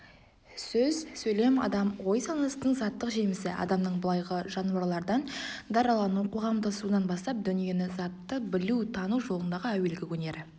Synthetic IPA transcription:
sɵzsɵjle̞mɑ̰d̪ɑmwo̞jsɑnɑst̪əɴzɑt̪ːəqʒe̞mɪsɪʔɑ̰d̪ɑmnəɴbʊlˠɑjʁəʒɑnuwɑɾlˠɑɾd̪ɑnd̪ɑɾɑlˠɑnuqʰo̞ʁɑmd̪ɑsud̪ɑnbɑst̪ɑp̚d̪ʏnije̞nɪzɑt̪ːəbɪlut̪ʰɑnuwʒo̞lˠənd̪ɑʁəæwe̞lɡʲɪwʰɵne̞ɾɪ

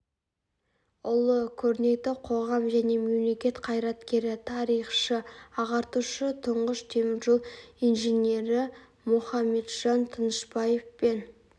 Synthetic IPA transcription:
ʊlˠəkʲʰɵɾne̞t̪ɪqʰo̞ʁɑmʒæne̞me̞mle̞kʲe̞t̪qʰɑjɾɑt̪kʲe̞ɾɪt̪ʰɑɾijχʃəɑʁɑɾt̪uʃət̪ʰʊɴʁəʃt̪ʰe̞mɪɾʒolˠijnʒenʲe̞ɾɪ | mʊχɑme̞d̪ʒ̥ɑnt̪ʰənəʃbɑje̞fpe̞n

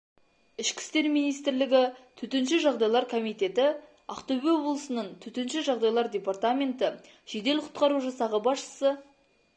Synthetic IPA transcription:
ɪʃkʲɪ̥st̪e̞ɾmijnijst̪ɪɾlɪɡʲɪt̪ʰɵt̪enʃɪʒɑʁd̪ɑjlˠɑɾkʰomijt̪e̞t̪ɪ | a̰qt̪obeo̞blˠəsənəɴt̪ʰɵt̪enʃɪʒɑʁd̪ɑjlˠɑɾdʲe̞part̪amʲe̞nt̪ɪ | ʒ̥e̞d̪e̞lqʰʊ̥t̪qɑɾuʒɑsɑʁəbɑsʃə̥sə

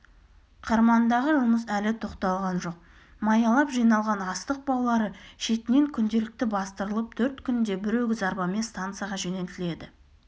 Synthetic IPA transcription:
qʰɑɾmɑnd̪ɑʁəʒʊməsælɪt̪ʰo̞qt̪ɑlˠʁɑnʒo̞q̚ | mɑjɑlˠɑpʒijnɑlˠʁɑnɑst̪əq̚bɑlˠɑlˠɑɾəʃe̞t̪ɪne̞ŋkʲʰʏnd̪e̞lɪk̚t̪ɪbɑst̪əɾəlˠəp̚t̪ʰɵɾt̪kʲʰʏnd̪e̞bɪɾe̞wɡʲɪzɑɾbɑme̞nst̪ant̪sɨjaʁɑʒene̞lt̪ɪle̞d̪ɪ

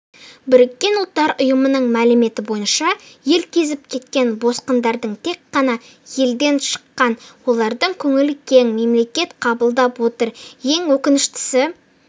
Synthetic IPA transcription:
bɪɾɪkʲːe̞nʊlˠt̪ːɑɾʔʊjəmənəɴmælɪme̞t̪ɪbo̞jənʃɑje̞lkʲʰe̞zɪp̚kʲʰe̞t̪kʲe̞nbo̞sqənd̪ɑɾd̪əɴt̪ʰe̞kqːɑnɑ | je̞ld̪e̞nʃə̥qːɑnwo̞lˠɑɾd̪əɴkʲʰɵŋɪlɪkʲʰe̞ŋme̞mle̞kʲe̞t̪qʰɑbəlˠd̪ɑpwo̞t̪əɾje̞ŋwɵkʲɪnɪʃt̪ɪ̥sɪ

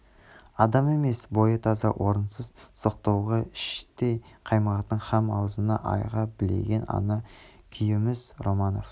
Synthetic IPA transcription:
ɑd̪ɑme̞me̞sbo̞jət̪ʰɑzɑwʔo̞ɾənsəzso̞qt̪ɑwʁɑɪʃt̪ejqʰɑjməʁɑt̪ːəɴχɑmɑ̰wəzənɑ̰ʔɑ̰jʁɑbɪle̞̰ɡʲe̞nɑ̰nɑkʲʰijɪmɪzɾo̞mɑno̞̰f

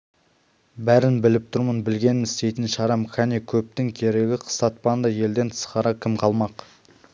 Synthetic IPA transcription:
bæɾɪnbɪlɪp̚t̪ʰʊɾmənbɪlɡʲe̞nɪmɪsst̪e̞jt̪ɪnʃɑɾɑmxʲɑnikʲʰɵp̚t̪ɪŋkʲʰe̞ɾe̞ɡʲɪqʰə̥st̪ɑt̪̚pɑnd̪ɑje̞ld̪e̞nt̪ʰə̥sqɑɾɑkʲʰɪmqʰɑlˠmɑq

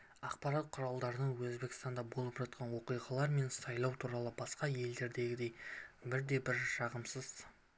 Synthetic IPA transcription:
ɑqpɑɾɑt̪̚qʰʊɾɑlˠd̪ɑɾənəɴwɵzbe̞kʲɪst̪ɑnd̪ɑbo̞lˠəpʒ̥ɑt̪̚qʰɑnwo̞qijʁɑlˠɑɾme̞nsɑjlˠɑwt̪ʰuɾɑlˠəbɑsqɑje̞ld̪e̞ɾd̪e̞ɡʲɪd̪e̞jbɪɾd̪e̞bɪɾʃɑʁəmsəz̥

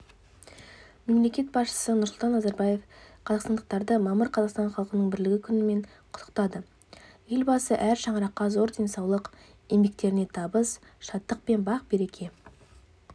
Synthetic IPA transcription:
me̞mle̞kʲe̞t̪bɑsʃə̥sənʊɾslˠt̪ɑnːɑzɑɾbɑje̞fqʰɑzɑqst̪ɑnd̪ə̥q̚t̪ɑɾd̪əmɑməɾqʰɑzɑqst̪ɑnχɑlˠqənəɴbɪɾlɪɡʲɪkʲʰʏnɪme̞ɴ | qʰʊ̥t̪ʰə̥qt̪ɑd̪ə | je̞lʲbɑsəʔæɾʃɑɴəɾɑqːɑzo̞ɾd̪e̞nsɑwlˠəq | e̞mbe̞k̚t̪e̞ɾɪne̞t̪ʰɑbəs | ʃɑt̪ːəq̚pe̞nbɑq̚be̞ɾe̞kʲʰe̞

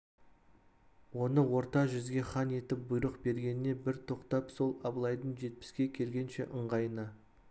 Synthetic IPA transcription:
wo̞nəwo̞ɾt̪ɑʒʏzɡʲe̞χɑne̞t̪ɪp̚bʊjɾəqbe̞ɾɡʲe̞nɪne̞bɪɾt̪ʰo̞qt̪ɑpso̞lˠɑblˠɑjd̪əɴʒe̞t̪̚pɪ̥skʲe̞kʲʰe̞lɡʲe̞nʃe̞̰ʔəɴʁɑjənə

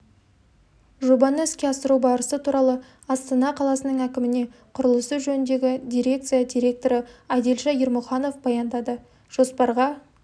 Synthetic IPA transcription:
ʒubɑnəskʲeɑsəɾubɑɾəsət̪ʰuɾɑlˠə | ɑst̪ɑnɑqʰɑlˠɑsənəɴækʲɪmɪne̞ | qʰʊɾəlˠəsəʒɵnɪnd̪e̞ɡʲɪd̪ʲijɾʲe̞k̚t̪sɨjad̪ʲiɾʲe̞k̚t̪o̞ɾəæjd̪elʃɑjɪɾmʊχɑno̞fbɑjɑnd̪ɑd̪ə | ʒ̥o̞spɑɾʁɑ

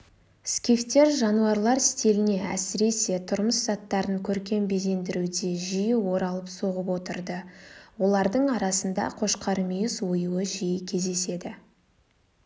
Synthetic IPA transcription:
skʲift̪ːe̞ɾʒɑnuɑɾlˠɑɾst̪elɪne̞æ̰sɪɾe̞se̞t̪ʰʊɾməszɑt̪ːɑɾəŋkʲʰɵɾkʲe̞mbe̞ze̞nd̪ɪɾud̪e̞ʒijɪwo̞ɾɑlˠəpso̞ʁəpwo̞t̪əɾd̪əwo̞lˠɑɾd̪əɴɑɾɑsənd̪ɑ̰qʰo̞ʃqɑɾəmijɪswojuəʒijɪkʲʰe̞zd̪e̞se̞d̪ɪ

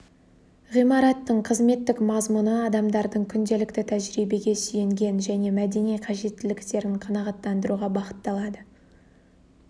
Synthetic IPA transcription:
ʁijmɑɾɑt̪ːəɴqʰəzme̞t̪ːɪkmɑzmunəɑd̪ɑmd̪ɑɾd̪əɴkʲʰʏnd̪e̞lɪkt̪ɪt̪ʰæʒɾijbe̞ɡʲe̞sʏje̞ŋɡʲe̞nʒæne̞mæd̪e̞nijqʰɑʒe̞t̪ːɪlɪkt̪e̞ɾɪɴqʰɑnɑʁɑt̪ːɑnd̪əɾuʁɑbɑqə̥t̪ːɑlˠɑd̪ə

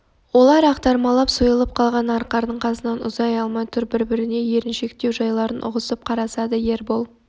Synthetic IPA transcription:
wo̞lˠɑɾɑqt̪ɑɾmɑlˠɑpsujəlˠəp̚qʰɑlˠʁɑnɑɾqɑɾd̪əɴqʰɑsənɑnʊ̰zɑjɑlˠmɑjt̪ʰʏɾbɪɾbɪɾɪne̞je̞ɾɪnʃe̞kt̪e̞wʒɑjlˠɑɾənʔʊ̰ʁəsəp̚qʰɑɾɑsɑd̪əje̞ɾbolˠ

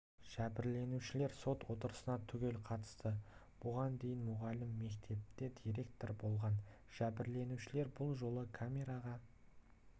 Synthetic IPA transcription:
ʒ̥æbɪɾle̞nuʃɪle̞ɾso̞t̪wo̞t̪əɾəsənɑt̪ʰʏɡʲe̞lqʰɑt̪ə̥st̪ə | b̥ʊʁɑnd̪e̞jɪnmʊʁɑlɪmːe̞kt̪ʰe̞p̚t̪e̞d̪ijɾe̞k̚t̪o̞ɾbo̞lˠʁɑn | ʒ̥æbɪɾle̞nuʃɪle̞ɾbʊlˠʒo̞lˠəkʰamʲe̞ɾaʁɑ

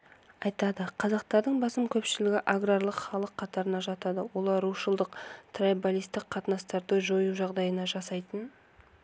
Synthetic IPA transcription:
ɑjt̪ɑd̪əqʰɑzɑqt̪ɑɾd̪əɴbɑsəmkʲʰɵpʃɪlɪɡʲɪʔaɡrarlˠəqχɑlˠəqʰːɑt̪ɑɾənɑʒɑt̪ɑd̪əwo̞lˠɑɾuʃəlˠd̪əqt̪ʰrajbalʲijst̪ɪqqʰɑt̪nɑst̪ɑɾd̪əʒo̞juʒɑʁd̪ɑjənɑʒɑsɑjt̪ən

